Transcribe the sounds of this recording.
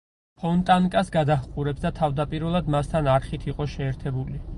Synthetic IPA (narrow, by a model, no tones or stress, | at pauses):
pʰɔnt̪ʼaŋkʼasɡad̪aχqʼuɾɛpsd̪at̪ʰavd̪apʼiɾwɛlˠad̪mast̪ʰanaɾχit̪ʰiqʼɔʃɛːɾt̪ʰɛbuli